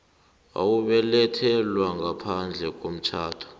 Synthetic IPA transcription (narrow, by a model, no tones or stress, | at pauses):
a̰wuɓɛlɛtʰɛlwaŋapʰand͡ɮʱɛk̬ʼom̩t͡ʃʰaːtʰɔ̥